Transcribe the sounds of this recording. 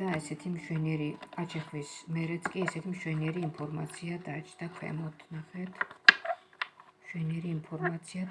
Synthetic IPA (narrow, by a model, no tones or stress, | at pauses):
d̪aɛsɛt̪ʰimʃwɛniɛɾiat͡ʃʰɛχvismɛɾɛt̪skʼiɛsɛt̪ʰimʃwɛniɛɾiːmpʰɔɾma̰t̪sʰiad̪at͡ʃʰd̪akʰwɛ̰mɔt̪ʰnaχɛt̪ʰ | mʃwɛniɛɾiːmpʰɔɾmat̪sʰia